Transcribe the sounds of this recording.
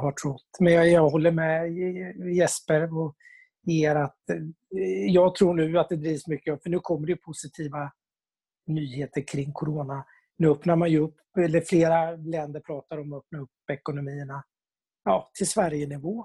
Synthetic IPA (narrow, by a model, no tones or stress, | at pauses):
haʈʰɾɔt̪ːmɛnjjɑɡɦɔlːəɾmɛ | jɛspəɾɔ | eːɾat̪ | jɑːɡt̪ʰɾuːɳʉ̟ːat̪̚d̪ɛd̪ɾiːvsmʏkːəɔmfœɳʉ̟ːkʰɔmːəɾɖɛjɵpʰʊsɪt̪ʰiːva | nyːheːt̪əɾkʰɾɪŋːkʰʊɾoːna | nʉ̟ːœpnaɾmanjɵɵpːɛlːəɾfleːɾalɛnd̪əɾpʰɾɑːt̪aɾɔmœp̚naɾɵpːɛkʊnʊmiːəɳa | jɑːt̪ʰɪlsvæɾjənɪvoː